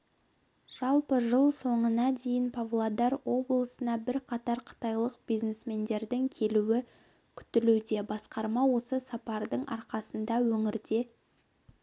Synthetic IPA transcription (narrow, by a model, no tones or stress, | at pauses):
ʒ̥ɑlˠpəʒəlˠso̞ɴənɑd̪e̞jɪnpʰavlˠod̪ɑɾwo̞blˠəsənɑbɪɾqʰɑt̪ɑɾqʰə̥t̪ɑjlˠəqb̥ijzne̞sme̞nd̪e̞ɾd̪ɪŋkʲʰe̞luɪ | kʲʰʏ̥t̪ɪlud̪e̞bɑsqɑɾmɑwo̞səsɑpɑɾd̪əɴʔɑ̰ɾqɑsənd̪ɑwɵŋɪɾd̪e̞